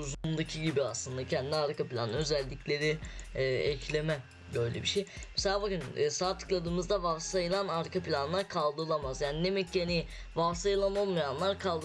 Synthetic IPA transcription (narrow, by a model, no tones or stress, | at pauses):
uzumd̪acʰiɟibiaslˠɯnd̪acʰɛnd̪id̪aɾkʰapʰilʲa̰nø̞zælʲːicʰlʲe̞ɾiː | ɛclʲe̞mɛ | bø̞jlʲḛbiʃejmɛselʲaːbakɯnːsaːt̪ʰɯ̥klˠad̪ɯːmɯzd̪avafsajɯlˠanaɾkʰapʰilʲanlˠaɾkʰalˠd̪ɯɾlˠamazjaːninemɛcːani | vafsajɯlˠamamjanlˠaɾkʰalˠd̪ɯ